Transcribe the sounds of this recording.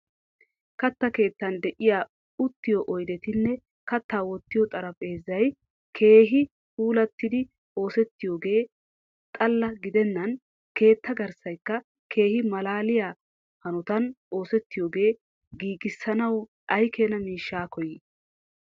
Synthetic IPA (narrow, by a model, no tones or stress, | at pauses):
kɐt̪ːɐke̞ːt̪ːɐnd̪ɛʔɪjaː | ʊt̪ːɪjɔʔɔjd̪ɛt̪ɪnːɛ | kɐt̪ːaːwɔt̪ːɪjɔt̪ʼɐɾɐpʼe̞ːzːɐj | kʰe̞ːɦɪ | puːlɐt̪ːɪd̪ɪ | o̞ːsɛt̪ːɪjoːɡe̞ː | t̪ʼɐlːɐɡɪd̪ɛnːɐn | ke̞ːt̪ːɐɡɐɾsɐjkːɐ | kʰe̞ːhɪmɐlaːlɪjaː | hɐnɔt̪ɐn | o̞ːsɛt̪ːɪjoːɡe̞ː | ɡiːɡɪsːɐnɐw | ʔɐjkʰeːnɐmiːʃːaːkɔjɪ